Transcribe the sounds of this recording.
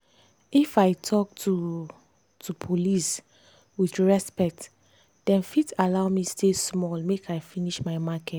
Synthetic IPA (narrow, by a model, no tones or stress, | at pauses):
ifaɪtʰɔk̚tʰu | tʰupʰolis | wiθɹɛspɛk̚t | d̥ɛ̃nfitalaʊmistesmɔlmekʰaɪfiniʃmaɪmakɛt